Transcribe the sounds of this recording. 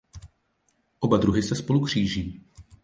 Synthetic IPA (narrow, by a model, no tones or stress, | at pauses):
ʔobadɾuɦɪsɛspo̞lukr̝̥iːʒiː